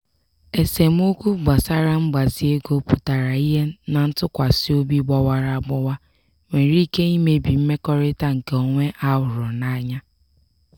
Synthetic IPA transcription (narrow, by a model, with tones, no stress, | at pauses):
e˨se˨m̩˦o˦kʷu˦ɡ͡ba˨sa˦ɾa˦ŋ͡m̩˦ɡ͡ba˨zi˦e˦ɡo˦pu˨ta˨ɾa˨i˦ɦe˦na˨n̩˦tʊ˦kʷa˨sɪ˦o˦bi˦ɡ͡bɔ˦wa˦ɾa˦ɡ͡bɔ˦wa˦ | ŋʷe˨˦ɾi˦ke˦i˦me˨bi˨m̩˦me˦kɔ˦ɾɪ˦ta˦ŋ̩˨ke˨o˨ŋʷe˦ʔa˦wʊ˨ɾʊ˨na˦ɲa˦